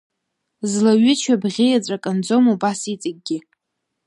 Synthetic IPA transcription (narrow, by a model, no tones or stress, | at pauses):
zlaɥɪt͡ʃʷʰabʁʲijat͡sʷʼakʼand͡zomubasit͡sʼɪɡ̚ɡʲɪ